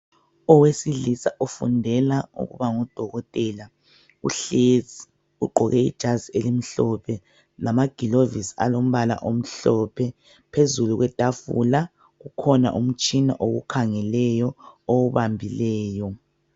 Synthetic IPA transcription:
ɔwesilisaʔufṵndʱɛlaṵɣṵβaŋɔd̥ʱɔɣɔtʼɛːla | ṵɬezi | uǃʱɔɣɛḭd̥ʒ̥ʱazielim̩ɬɔpʰɛ | lamaɡ̥ʱilovisa̰lom̩βala̰ʔom̩ɬɔpʰɛ | pʰezuluɣwɛtʼafṵla | ɣukʰɔna̰ʔum̩t͡ʃʼina̰ʔoɣṵkʰaŋɛlɛjɔowuβambʱilɛːjɔ

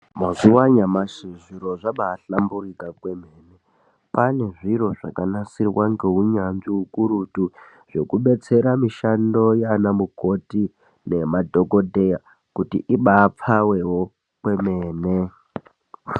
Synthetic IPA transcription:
mazuwaɲamaʃiʐiɾo̞ʐaɓaːɬamburikakwe̞meːne | pane̞ʐiɾo̞ʐa̰kanasirwaŋɡe̞ɦuɲanʐiukuɾutu | ʐ̥e̞kuɓe̞t͡se̞ɾamiʃando̞janamuko̞ti | ne̞madʱo̞ko̞dʱe̞ja | kutḭʔiɓaːp͡fawe̞wo | kwe̞meːne

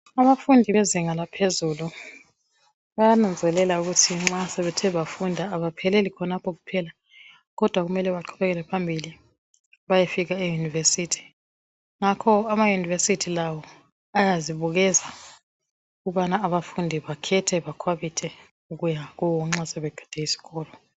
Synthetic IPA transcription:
aβafundʱiβeziŋalapʰezulu | βajanand͡zʱɛlɛlauɣutʰiŋ͡ǁasɛβɛtʰɛβafundʱaːβapʰɛlɛlikʰɔnapʰɔɣupʰɛla | ɣɔd̥ʱwaɣumɛlɛβaǃʰuβɛɣɛlɛpʰambʱili | βajefiɣaejunivesitʰi̥ | ŋakʰɔamajunivesitʰilawɔ | ajaziβuɣɛza | uɣuβanaːβafundʱiβakʰɛtʰɛβakʰwaβitʰɛ | uɣujaɣɔwɔŋ͡ǁasɛβɛɡ̥ʱɛ̥d̥ʱɛisi̥ɣɔːlɔ

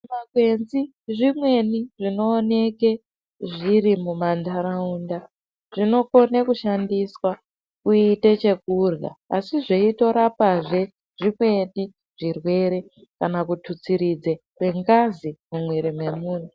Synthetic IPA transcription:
maɡwe̞nzi | ʐimwe̞niʐino̞ːne̞ke | ʐiɾimumandaɾaunda | ʐ̥ino̞ko̞nekuʃandiswa | kuitet͡ʃe̞kurɣa̰a̰siʐeito̞ɾapaʐe̞ | ʐ̥ikwe̞ɗi | ʐ̥irwe̞ɾe̞ | kanakutʰut͡siɾid͡ze | kwe̞ŋɡazimumweɾimwe̞muːn̤o

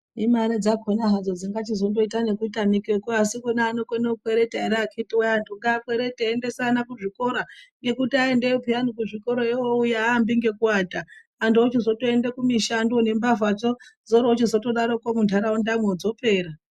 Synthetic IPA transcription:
imaɾed͡zakʰonaɦad͡zod͡ziŋɡat͡ʃizo̞ndo̞itane̞kutamikekoasikunaːnokoneukweɾe̞teeɾakʰitiwaaːntʰuŋɡaːkwe̞ɾe̞teːnde̞sanakuʐiko̞ɾaŋɡe̞kutiae̞ndeupianikuʐikoɾoewoujaːmbiŋɡe̞kuwataː | ntuot͡ʃizo̞toe̞ndekumiʃanduone̞mbavat͡ʃozoɾoot͡ʃizo̞toɗaɾo̞kwomuntʰaɾaundamwed͡zo̞peːɾa

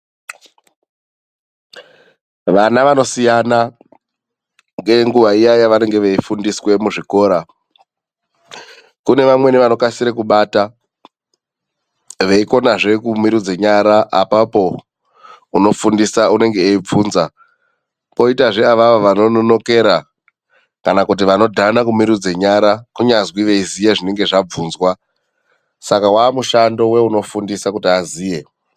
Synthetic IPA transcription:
ʋanaʋano̞sijana | ŋɡe̞ŋɡuʋaijajaʋane̞ŋɡe̞ʋeifundiswe̞muʐiko̞ːɾa | kune̞ʋamwe̞neʋano̞kasiɾekuɓata | ʋe̞iko̞naʐe̞kumiɾud͡zeɲaɾaʔːpapo̞ | uno̞fundisaune̞ŋɡeːib͡vuːnza | ko̞itaʐe̞aʋaʋoʋano̞nono̞ke̞ɾa | kanakut̬iʋano̞dʱanakumiɾud͡zeɲaɾakuɲazwiʋe̞izijeʐine̞ŋɡe̞ʐab͡vuːnzwa | sakawaːmuʃando̞we̞uno̞fundisakutiaziːje̞

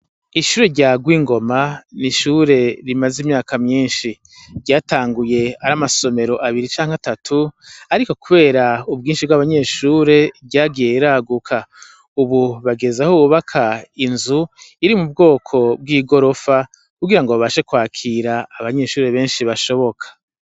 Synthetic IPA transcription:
iʃuːɾe̞ɟaːɡwiːŋɡo̞maniʃuɾe̞ɾimazimɲaːkamɲiːnʃi | ɾɟaːtaːŋɡuje̞aɾamaso̞me̞ɾo̞ʔaβiɾit͡ʃaːŋhatatʰuaɾiko̞kuβe̞ːɾaub̚ɡiːnʃibɡaβaɲe̞ːʃuːɾe̞ɟaːɡije̞iɾaːɡukʰa | uβuβaɡe̞zahouβakʰainzuiɾimub̚ɡo̞ːkʰo̞b̚ɡiːɡo̞ɾo̞fa | kuɡiɾaŋɡoβaβaʃe̞kwaːkʰiɾaːβaɲe̞ːʃuːɾe̞βe̞ːnʃiβaʃo̞βo̞kʰḁ

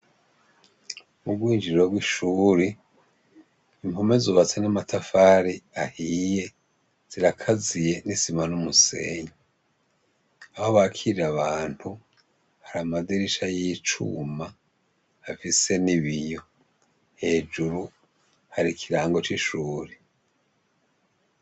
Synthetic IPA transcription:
uɡwiːnd͡ʒiɾoɡwiʃuːɾe | imhumezuβat͡senamatʰafaːɾiahiːje̞ | z̥iɾakʰazije̞nisimanumuse̞̰ːɲe | aho̞βakʰiɾiɾaβaːnthu | haɾamadiɾiʃajit͡ʃṵma | hafise̞niβijo̞ | he̞ːd͡ʒuɾu | haɾikʰiɾaːŋɡo̞t͡ʃiʃuːɾe

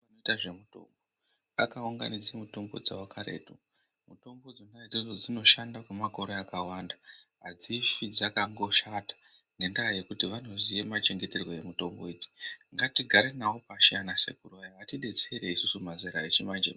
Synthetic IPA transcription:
noitaʐemuto̰mbo | akauŋɡa̰nid͡zemuto̞mbo̞̰d͡zawokʰaɾe̞̰ːtu | muto̞mbo̞d͡zonaed͡ziʐod͡zino̞ʃandakwemako̞ɾoakawandaɦad͡zifid͡zakaŋɡo̞ʃatḁ | ne̞ndaaje̞kutiʋano̞zijemat͡ʃe̞ŋɡe̞te̞rwoje̞muto̞mbo̞id͡ʒi̥ŋɡatiɡʱaɾe̞nawopaʃijanase̞̰kuruʋajaʋatiɗe̞t͡seɾeisusumazeɾaet͡ʃimand͡ʒḛ

